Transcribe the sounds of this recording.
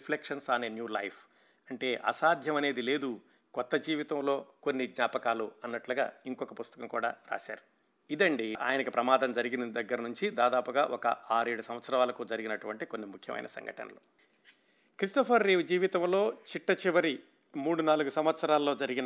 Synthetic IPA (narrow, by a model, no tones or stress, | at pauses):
plekʂɐnsaːnenjuːlɐjpʰ | ɐɳʈe̞ːʔɐ̰saːd̪ʱjɐmɐne̞ːd̪ile̞ːd̪u | kɔt̪ːɐd͡ʒiːʋit̪ɐmlo̞ːko̞nːiɡ̪ɲaːpɐkaːluɐnːɐʈlɐɡa̰ːiŋkɔkɐpust̪ɐ̥kɐmkuːɽa̰ːɾa̰ːsa̰ːɾu | id̪ɐɳɖiʔa̰ːjɐnɐkipɾɐmaːd̪ɐmd͡ʒɐɾiɡind̪ɐɡːɐɾɐnuɲt͡ʃid̪aːd̪aːpuɡaːʔɔkɐ̰ʔaːɾe̞ːɽusɐm̃ʋɐt̪sɐɾɐʋaːlɐkud͡ʒɐɾiɡinɐʈuʋɐɳʈikonːimukʰjɐ̰mɐ̰jnɐ̰sɐ̰ŋɡɐ̰ʈɐ̰nɐ̰lo̰ː | kɾisʈɐpʰɐɾːeːʋd͡ʒiːʋit̪ɐmlo̞ːt͡ʃiʈːɐt͡ʃiʋɐɾi | muːɽunaːluɡusɐmʋɐt̪sɐɾaːlɐːo̞ːd͡ʒɐɾiɡinɐ